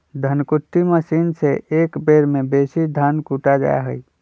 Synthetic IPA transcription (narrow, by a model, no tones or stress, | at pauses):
d̪ʱənkʊʈ̪ːiməsiːnseʔeːkbeːɾmẽbeːsid̪ʱaːnkuːʈad͡ʒa̰ːa̰ɦɛi